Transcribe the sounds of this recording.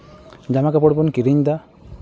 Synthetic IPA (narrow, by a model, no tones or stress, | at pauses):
d͡ʒamakapɔɽbɔnkiɾiɲd̪a